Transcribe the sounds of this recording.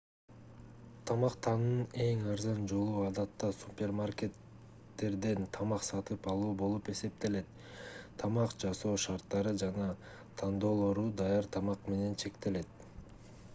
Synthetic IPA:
t̪ʰɑmɑqt̪ʰɑnɯne̞ŋɑɾzɑnd͡ʒo̞lˠuɑd̪ɑt̪ːɑsupʲe̞rmarkʲe̞t̪ː | e̞ɾd̪e̞nt̪ʰɑmɑqsɑt̪ɯpɑlˠuːbo̞lˠupe̞se̞p̚t̪e̞le̞t̪ | t̪ʰːɑmɑqd͡ʒɑso̞ːʃɑɾt̪ːɑɾɯd͡ʒɑnɑ | t̪ʰɑnd̪o̞ːlˠo̞ɾud̪ɑjɑɾt̪ʰɑmɑqme̞ne̞nt͡ʃʰe̞kt̪e̞le̞t̪

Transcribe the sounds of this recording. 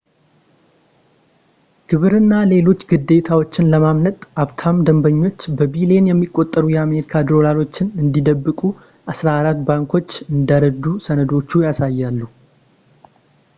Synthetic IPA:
ɡ̥ɨβɨɾɨnːale̞lo̞t͡ʃːɡɨd̪ːe̞t̪ʰawo̞t͡ʃːɪnləmamnət̪ʼʔaβt̪ʰamd̪əmbəɲːo̞t͡ʃːbəbile̞njɛmːikʼːo̞t̪ʼːəɾujɛame̞ɾikʰad̪ɾo̞lalo̞t͡ʃːɪnɨnd̪id̪əbːɨkʼu | ʔasɾaːɾat̪baŋkʰo̞t͡ʃːɨnd̪aɾəd̪usənəd̪o̞t͡ʃːujasajːalːu

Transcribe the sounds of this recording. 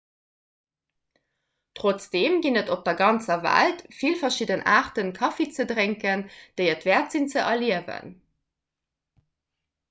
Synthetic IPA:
tʁot͡sd̥eːmɡinətop̚d̥ɐɡɑnt͡sɐvæ̰ltfilfɐʃidənʔaːʁtənkʰɑfet͡sədʁeŋkənd̥əɪətvɛːɐtz̥int͡səʔɐliəvə̰n

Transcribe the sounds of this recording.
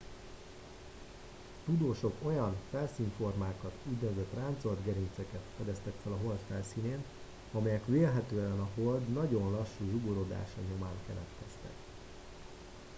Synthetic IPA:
t̪ud̪oːʃo̞ko̞jɒnfɛlsiːɱfo̞rmaːkɒt̪uɟnøzɛt̪raːnt̪so̞ld̪ɡɛɾint̪sɛkɛt̪fɛd̪ɛst̪ɛkfɛlɒɦo̞lt̪fɛlsiːneːn | ɒmɛjɛkʋeːlɦɛt̪øːɛnɒɦo̞ld̪nɒɟo̞nlɒʃːuːʒuɡoɾo̞d̪a̰ːʃɒ̰ɲo̞maːnkɛlɛt̪kɛst̪ɛ̰k

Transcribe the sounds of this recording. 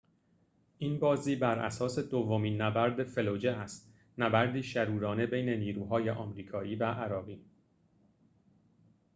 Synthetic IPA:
ʔiːnbɒːziːbæɾʔæ̰sɒːse̞d̪ovːomiːnːæbæɾd̪efe̞lod͡ʒeʔæst̪ | næbæɾd̪iːʃæɾuːɾɒːne̞be̞jne̞niːɾuːɦɒːje̞ʔɒːmɾiːkʰɒːʔiːvæʔæɾɒːɣiː

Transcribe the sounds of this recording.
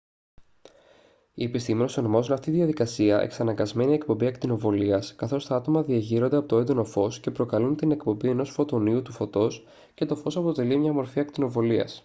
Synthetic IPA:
ie̞pist̪ime̞nosonomɐzonɐft̪iðiɐðikɐsiɐʔḛksɐnɐŋɡɐzme̞nie̞kpo̞mbiɐkt̪ino̞vo̞liɐskɐθo̞st̪ɐɐt̪o̞mɐðiɐʝiɾo̞nd̪eɐpot̪oed̪o̞no̞fo̞sce̞pɾo̞kɐlunt̪ine̞kpo̞mbie̞no̞sfo̞t̪o̞niut̪ufo̞t̪o̞s | ce̞t̪o̞fo̞sɐpo̞t̪e̞limɲɐmo̞ɾfiɐk̚t̪ino̞vo̞liɐ̰s

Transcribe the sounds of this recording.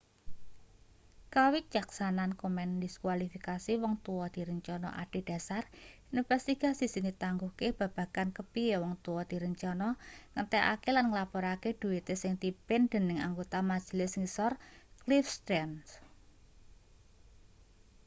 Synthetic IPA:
kawik̚t͡ʃaksanankomɛndiskwalifikasiwɔŋt̪uɔd̪̥i̤ɾəɲt͡ʃɔnɔ̰ʔa̰ɖ̥e̤d̥ä̤sarinfɛst̪iɡ̥a̤sisinit̪aŋɡuhkeb̥ä̤b̥ä̤kankəpiewɔŋt̪uwɔd̪̥i̤ɾəɲt͡ʃɔnɔŋət̪ɛʔa̰kelanŋəlapɔɾaked̪̥ṳit̪esɪŋt̪ipɪnd̪̥ə̤nɪŋa̰ŋɡot̪amḁd͡ʒ̥lɪsŋisɔrklifst̪ɾɛns

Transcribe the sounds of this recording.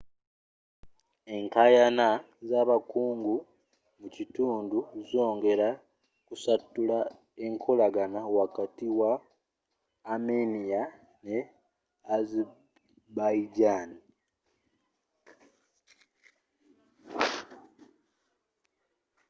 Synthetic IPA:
e̞ŋkajana | zaβakuːŋɡu | mucituːnduzo̞ːŋɡe̞ɾa | kusatːula | eŋkʰolaɡanawakatiwa | menia | ne | az | baiɟani

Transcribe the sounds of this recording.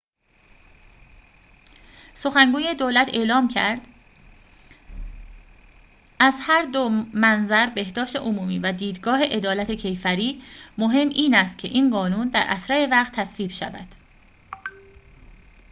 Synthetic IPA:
so̞xæŋɡuːje̞d̪olæt̪ʰe̞ʔlɒːmcʰæɾd̪̥ | æzhæɾd̪omænzæɾbe̞hd̪ɒːʃt̪e̞̰ʔomuːmiːvæd̪iːd̪ɡɒːɦe̞ʔe̞d̪ɒːlæt̪ʰe̞cʰe̞jfæɾiːmo̞ɦe̞mʔiːnæst̪̚cʰe̞̰ʔiːnɢɒːnuːnd̪æɾʔæ̰sɾæɾevæχt̪ʰːæsviːbʃæ̰væ̰d̪̥

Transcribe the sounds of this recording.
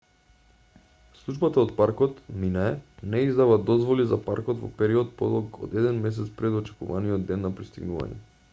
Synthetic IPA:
slˠud͡ʒbat̪aot̪̚paɾkɔt̪minaɛnɛizd̪avad̪ɔzvɔlizapaɾkɔt̪vɔ̰pɛɾiɔt̪̚pɔd̪ɔlˠkɔ̰d̪ɛd̪ɛnmɛs̬ɛt̪spɾɛd̪ɔt͡ʃɛ̥kuvaniɔd̪ːɛnːapɾist̪iɡnuva̰ɲɛ̰

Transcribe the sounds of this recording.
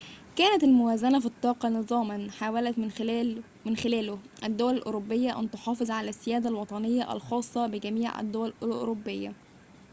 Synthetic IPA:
kæːnæt̪ælmʊwæːzænæfit̪ˤːɑːqɑnɨzˤɑːmɑnħaːwælæt̪ː | mɪnxɪlæːlʊʔæd̪ːowælælʔʊ̰ɾobːejːæʔæ̰nt̪oħɑːfezˤʕalæsːɪjæːd̪ælwɑt̪ˤɑnejːɑʔæ̰lxɑːsˤːɑbɪɡæmiːʕʔæ̰d̪ːowælʔolʔɾobːejːæ̰

